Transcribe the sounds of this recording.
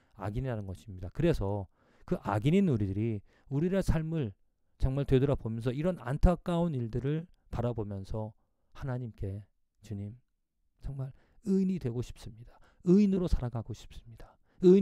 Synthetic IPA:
a̰ɡiniɦanɯnɡʌɕʰimɲidakɯɾe̞sʰʌ | kɯʔaɡininuɾidɯɾi | uɾiɾasʰaɭmɯɭ | t͡ɕʌŋmaɭtwe̞dʌɾʌbomjʌnsʰʌiɾʌna̰ntʰak͈auniɭdɯɾɯɭ | paɾabomjʌnsʰʌ | hanaɲimk͈e̞ | t͡ɕuɲim | t͡ɕʌŋmaɭ | ɯinidwe̞ɡoɕʰi̥p̚s͈ɯmɲid̥a | ɯinɯɾosʰaɾaɡaɡoɕʰi̥p̚s͈ɯmɲid̥ḁ | ɯ

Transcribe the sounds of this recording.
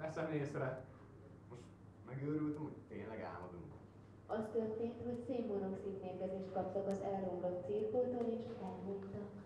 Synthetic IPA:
ɛsɛmineːsɛɾɛ | moʃt̪ | mɛɡøːɾylt̪ymhoɟt̪eːnlɛɡa̰ːmɒd̪uŋk | ɒst̪ørt̪eːnt̪ho̞cseːbmoɾo̞ksit̪meːrkɛzeːʃt̪̚kɒpt̪ɒkɒzɛlroɡlo̞t̪siːrkoːt̪oleːʃɛlmukt̪ɒk

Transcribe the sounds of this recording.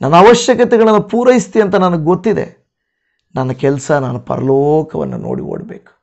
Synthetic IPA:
nʔɐnːɐːʋɐʃjɐkɐt̪ɛɡɐɭɐnːɐpuːɾɐjist̪iɐnt̪ɐnɐnɐɡɡot̪ːid̪e̞̰ | nɐnːɐkɛlsɐnanupɐ̰ɾɐloːkɐʋɐ̰nːṵno̰ːɽḭɦo̰ːɽbeːku̥

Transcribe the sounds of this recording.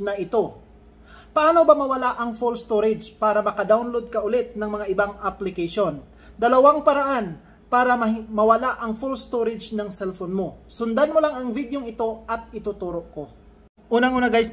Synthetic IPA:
nɐʔɪt̪o̞ | pɐʔaːnobamɐwɐlaʔɐŋfulst̪oɾɛd͡ʒpaːɾɐmɐkɐd̪awnlod̪̚kɐʔʊlɛt̪̚nɐŋmɐŋaʔɪbaŋʔɐplɪkɐʃo̞n | d̪ɐlɐwaŋpɐɾɐʔan | paːɾɐmɐmɐwɐlaʔɐŋfulst̪oɾɪd͡ʒnɐŋsɛlfonmo̞sʊnd̪anmolaŋɐŋvid̪jo̞ŋɪt̪o̞ʔɐt̪̚ɪt̪ʊt̪uːɾo̞ʔko̞ | ʔuːnɐŋʔuːnɐɡajs

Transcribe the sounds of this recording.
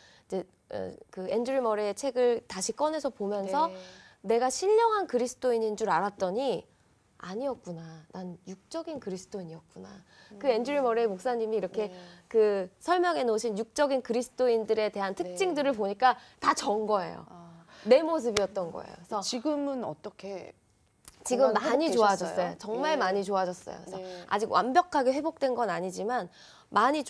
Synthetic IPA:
id͡ʑe̞ | ʌ̰kɯend͡ʑɯɾimʌɾeːt͡ɕʰe̞ɡɯɭtaɕʰik͈ʌne̞sʰʌpomjʌnsʰʌne̞ɡaɕʰiʎːʌŋɦankɯɾisʰɯ̥t͈ʰoiɲind͡ʑuɾaɾat̚t͈ʌɲi | aɲiʌt̚k͈unananjuk̚t͡ɕ͈ʌɡinkɯɾisʰɯ̥tʰoiɲiʌk̚k͈una̰ | kɯe̞nd͡ʑɯɾimʌɾeːmok̚s͈aɲimiːɾʌkʰe̞kɯsʰʌɭmjʌŋe̞noɕʰinjuk̚t͡ɕ͈ʌɡinkɯɾisʰɯ̥t͈ʰoindɯɾe̞te̞ɦantʰɯkk̚t͡ɕ͈iŋdɯɾɯɭpoɲik͈atat͡ɕʌnɡʌe̞̰jo̰ne̞mos̬ʰɯbiʌt̚t͈ʌnɡʌ̰ḛjo̰sʰʌt͡ɕiɡɯmɯnʌ̰t͈ʌkʰe | t͡ɕiɡɯmmːaɲit͡ɕoad͡ʑʌs͈ʌjot͡ɕʌŋmaɭmaɲit͡ɕoad͡ʑʌs͈ʌ̰jo̰isʰʌa̰d͡ʑiɡwa̰mbjʌkʰaɡe̞ɸwe̞bok̚t͈we̞nɡʌnaɲid͡ʑiman | maɲi

